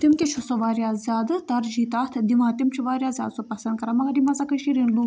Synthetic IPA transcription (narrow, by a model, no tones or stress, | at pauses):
t̪imk̪ʲet͡ʃʰusoʋaːɾjaːzʲjaːd̪ɨt̪ɐɾd͡ʒiːt̪ɐːt̪ʰd̪imãːt̪imt͡ʃʰiʋaːɾʲjaːzʲja̰ːd̪sopɐsɐnd̪̚kɐɾɐmɐɡɐɾimɐzɐkɐʃiɾinluː